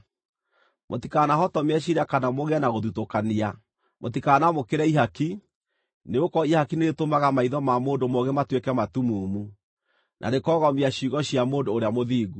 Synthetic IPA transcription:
mʔotikanaɦɔtɔmɛɕ̬iɾakanamoɣeanaɣoðutokania | motikaːnamokeɾɛiɦaki | neokɔihakineetomaɣamaiðɔmamoːndomoɣɛmatwekɛmatumuːmu | nʔa̰ɾekɔɣɔmiaɕiɣɔɕiamoːndoːɾeamoðiːɣu

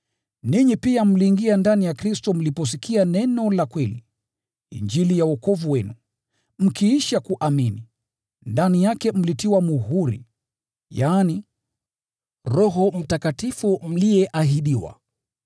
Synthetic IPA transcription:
niɲipiam̩liːŋɡiandanijakɾistɔm̩lipɔs̬ikʰianɛnɔlakwɛli | ḭɲd͡ʒilijaɔkɔvuwɛnu | m̩kiiʃakuʔamini | ndanijakɛm̩litiwamuhuɾḭ | jaːni | ɾɔɦɔm̩takatifum̩lijɛʔaɦiɗiwa̰

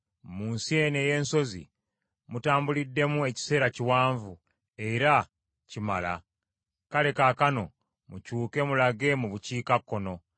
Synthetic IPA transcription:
muːnsie̞neːje̞ːnso̞zḭ | mutaːmbulidːe̞mue̞ci̥se̞ːɾaciwaːɱvu | e̞ɾa | cimala̰ | kale̞kakano̞ | mucuːke̞mulaɡe̞muβuciːkakːo̞no̞

